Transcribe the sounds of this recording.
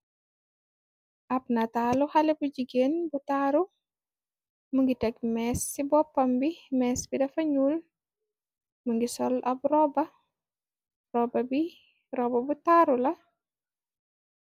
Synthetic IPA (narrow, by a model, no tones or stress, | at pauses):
ʔɐp̚nataluhalɛbuɟiɡeːnbutaɾu | muŋɡitɛɡmɛːsːibɔpːɐmbimɛːsbidɐfɐɲuːl | muŋɡisɔlʔɐbɾɔbɐ | rɔbɐbi | rɔbɐbutaɾulɐ